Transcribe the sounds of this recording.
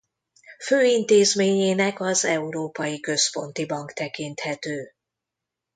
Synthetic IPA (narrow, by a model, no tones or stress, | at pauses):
føːint̪eːzmeːɲeːnɛkɒzɛuɾoːpɒjikø̞spo̞nt̪ibɒŋkt̪ɛkint̪hɛt̪øː